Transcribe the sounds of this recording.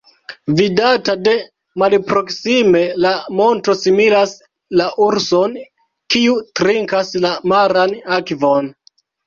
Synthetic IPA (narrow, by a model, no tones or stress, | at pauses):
vidatade̞ | malpɾo̞ksime̞lamo̞nto̞similas | laʔuɾso̞n | kiutɾiŋkaslamaɾanakvon